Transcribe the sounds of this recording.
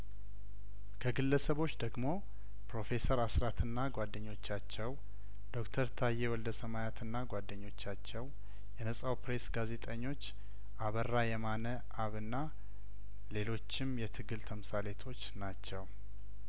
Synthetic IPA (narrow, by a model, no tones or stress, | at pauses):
kʰəɡɨlːəsəβo̞t͡ʃːd̪əɡmo̞ | pɾo̞fe̞səɾasɾat̪ʰɨnːaɡʷad̪ːəɲːo̞t͡ʃːat͡ʃːɛw | d̪̥o̞kt̪ʰəɾt̪ʰajːewɔld̪əsəmajat̪ʰɨnːaɡʷwad̪ːəɲːo̞t͡ʃːat͡ʃːɛw | jɛnəsʼawpɾe̞sɡaze̞t̪ʼəɲːo̞t͡ʃː | ʔaβərːajɛmanə | ʔaβɨnːa | le̞lo̞t͡ʃːɪmjɛt̪ʰɨɡɨlt̪ʰəmɨsale̞t̪ʰo̞t͡ʃːnat͡ʃːɛw